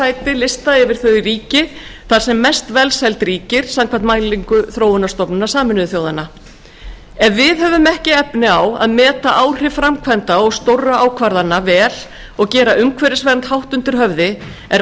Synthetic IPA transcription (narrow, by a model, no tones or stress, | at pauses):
aːjt̪ɪlɪst̪aɪvɪɾ̥θœɥiriːcɪθḁsɛmːɛst̪vɛlsɛjlt̪ɾiːcɪɾ̥samkʰvant̪maːjliŋkʏθɾoːwʏnast̪ɔpnʏnasaːmɪnʏðʏθjoːwðanːa | ɛvvɪðɦœvʏmɛhcɪɛpnɪawa̰ðmɛːt̪aʔaːwr̥ɪfɾamkʰvɛnt̪aɔɣst̪owrːaaːwkʰvaɾðanːavɛːl | ɔɣcɛːɾaʏmkʰvɛɾɪsvɛɾnt̪hawht̪ʏnt̪ɪɾ̥ɦœvðɪ | ɛɾ